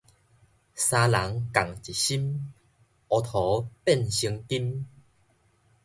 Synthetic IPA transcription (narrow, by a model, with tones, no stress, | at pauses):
sa˧la˨˦ŋka˨˩ŋt͡ɕi˨˩ɕi˦˥m | ɔ˧t̪ʰɔ˨˦pɛ˥˨nɕi˧ŋt̪i˦˥m